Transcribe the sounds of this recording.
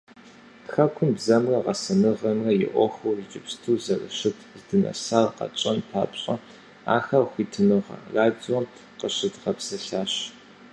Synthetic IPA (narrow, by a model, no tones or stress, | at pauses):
xɐkʷʰʊnbzɐmrɐʁɐsɨnɨʁɐmrɐjɪ̰ʔʷɔxowrit͡ʃʼɪpstʰuːzɐrɨ̰ɕɪtʰzdɨnɐ̰saːrqɐ̰t͡ʃʼɐnpʰa̰ːpɕʼɐ | a̰ːxɐxʷiːtʰɨnɨʁɐ̰raːdiɔ | qəɕɪtʁɐpsɐɬaːɕ